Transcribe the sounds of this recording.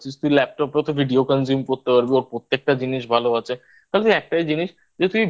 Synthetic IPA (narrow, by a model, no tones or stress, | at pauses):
t͡ɕʰist̪uilɛp̚ʈɔpeot̪obʱiɖiokənzumkoɾt̪epaɾbioɾpɾot̪ːek̚ʈad͡ʑiniʃbʱaloat͡ɕʰe | t̪aɦelet̪uiɛk̚ʈaid͡ʑiniʃ | d͡ʑet̪umi